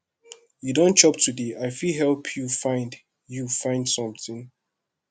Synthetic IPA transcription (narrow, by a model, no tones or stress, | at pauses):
judõnt͡ʃɔp̚tʰudeʔaɪfilɦɛlpʰjufãɪ̃nd | jufãɪ̃nd̥sɔ̃mθɪ̃ŋ